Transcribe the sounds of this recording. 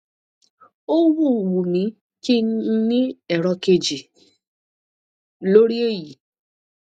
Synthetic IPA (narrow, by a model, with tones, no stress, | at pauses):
o˦wu˦˨wu˨mĩ˨˦ | ki˦nĩ˦ɛ˨ɾɔ˧ke˧d͡ʒi˨ | lo˦ɾi˦e˦ji˨